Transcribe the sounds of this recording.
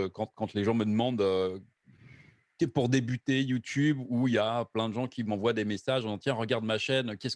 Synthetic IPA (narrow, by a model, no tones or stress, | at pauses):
økɑ̃t̪kɑ̃t̪leʒɑ̃məd̪əmɑ̃d̪ø | kɛpuʁd̪ebyt̪ejut̪ʰybuijaplɛ̃d̪əʒɑ̃kʲimɑ̃vwad̪emesaʒɑ̃zɑ̃t̪jɛ̃ʁəɡaʁd̪maʃɛnøkʲɛs